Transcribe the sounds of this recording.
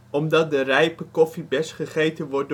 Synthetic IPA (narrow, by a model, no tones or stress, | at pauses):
ɔmdɑt̚dərɛjpəkɔfibɛsχəχejtənʋɔr̚